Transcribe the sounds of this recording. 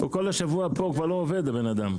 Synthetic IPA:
ṵkolhaʃavuapokvaʁlooved̪abenad̪am

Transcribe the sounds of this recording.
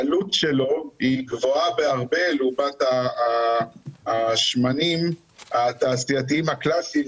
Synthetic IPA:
alutʃelo̞iɡvo̞abeaʁbe̞lubat̪a | ʃmanim | at̪aːsiat̪̬iimaklasi

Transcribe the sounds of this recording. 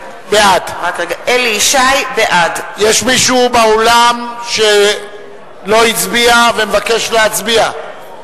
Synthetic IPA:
beadakeɡaʔeliiʃajbeʔadjeʃmiʃubeolamʃe̞ | lo̞it͡sbiavemevake̞ʃleat͡sbia

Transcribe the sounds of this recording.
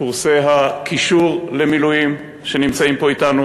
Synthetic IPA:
uʁseɦakʰiʃuʁle̞milujim | ʃe̞nimt͡saimpo̞itanu

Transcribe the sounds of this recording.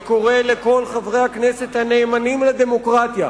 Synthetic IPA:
ko̞ʁeleko̞lχavʁe̞jhaknese̞t̪hane̞ːmanimlad̪e̞mo̞kʁat̪ja

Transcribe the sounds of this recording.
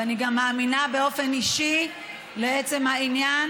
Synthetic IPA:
aniɡamːaːminabe̞o̞fe̞niʃi | leet͡se̞mhainjan

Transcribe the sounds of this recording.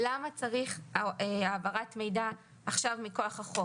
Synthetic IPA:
lamat͡saʁiχeaːvaʁatme̞jdaː | χʃavmiko̞aχaχo

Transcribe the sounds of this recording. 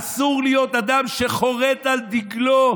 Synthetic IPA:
suʁlijo̞t̪ad̪amʃeχo̞ʁetald̪iɡlo

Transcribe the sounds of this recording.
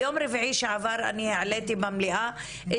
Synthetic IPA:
oːmɾɪvʕiːʃeʕavaɾʔa̰niheʕaleːt̪ibamliʔa | ʔɪ

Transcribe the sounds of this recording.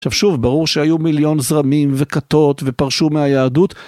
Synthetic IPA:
ʃavʃuvbaʁuʁʃehajumiljo̞nzʁamimve̞kat̪o̞t̪ve̞paʁʃumeajaːdut̪

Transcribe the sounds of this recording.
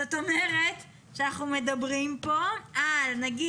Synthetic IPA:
ot̪o̞me̞ʁe̞t | ʃeanaχnume̞dabʁimpo̞alnaɡi

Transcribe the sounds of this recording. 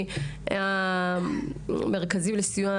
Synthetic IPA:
a | meʁkazimlesija

